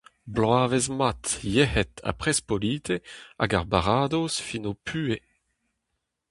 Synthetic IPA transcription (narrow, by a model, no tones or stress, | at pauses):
blwaːvezmat̪jɛhɛt̪ʰa̰pχɛspoliːt̪ʰea̰ɡaʁbaʁaːd̪osfinopʰyːe